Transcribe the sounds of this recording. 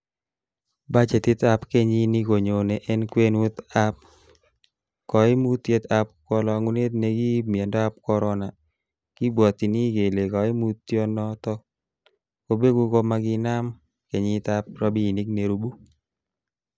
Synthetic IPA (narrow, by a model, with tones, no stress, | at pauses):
ba˦t͡ʃe˨t̪ɪ˦t̪a˦pke˦ɲi˦ni˦ko˨ɲo˨ne˨ʔɛ˦nkwe˦nu˦t̪a˦p̚ | kɔ˨ɪ˦mu˦t̪ːje˦t̪a˨p̚kɔ˦lɔ˨ŋu˦ne˦t̪̚ne˨ɡi˦mje˨ndɔ˦a˦p̚kɔ˦ɾɔ˦na˨ | ki˦bwɔ˨t̪i˨ni˦ɡe˨le˨kɔ˨ɪ˦mu˦tːjɔ˦nɔ˦t̪ɔ˦ | ko˨be˦ɡu˧ko˦ma˨ɡɪ˦na˦m | ke˨ɲɪ˦t̪a˦p̚ɾa˦bi˦˨ni˦kne˨ɾu˦bu˦